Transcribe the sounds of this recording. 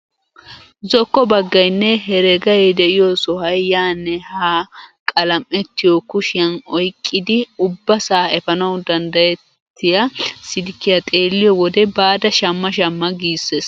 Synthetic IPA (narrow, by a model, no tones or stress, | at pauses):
zɔkːɔbɐɡːɐjnːɛɦɛɾɛɡɐjɛd̪ɛʔɪjɔsɔhɐjːaːnːɛhakʼɐlɐmʔɛt̪ːɪjɔkʊʃɪjɐnɔjkʼːɪd̪ɪʊbːɐsaːɛfɐnɐwd̪ɐnd̪ɐjɛttt̪ːɪjɐsɪd̪ɪkːɪjɐt̪ʼe̞ːlːɪjɔwɔd̪ɛbaːd̪ɐʃɐmːɐʃ̬ɐmːɐɡiːsːes